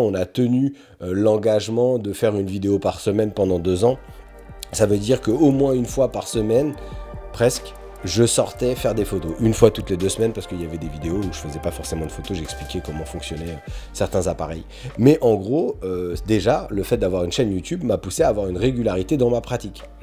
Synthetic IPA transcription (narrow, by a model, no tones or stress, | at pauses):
ɔ̃nat̪əny | ølɑ̃ɡaʒmɑ̃d̪əfɛʁynvid̪eopaʁsəmɛnpɑ̃d̪ɑ̃d̪øzɑ̃ | savød̪iʁkəomwɛ̃ynfwapaʁsəmɛnpχɛsk | ʒəsɔʁt̪ɛfɛʁd̪efot̪oʔynfwat̪ut̪led̪øsmɛnpaʁsə̥kəiljavɛd̪evid̪eouʒəfəzɛpafɔʁsemɑ̃d̪əfot̪oʒɛksplikʲɛkɔmɑ̃fɔ̃ksjɔnɛøsɛʁt̪ɛ̃zapaʁɛ̰j | mɛʔɑ̃ɡʁoød̪eʒaləfɛt̪̚d̪avwaʁynʃɛnjut̪ybmapuseaːvwaʁynʁeɡʲylaʁit̪ed̪ɑ̃mapχat̪ik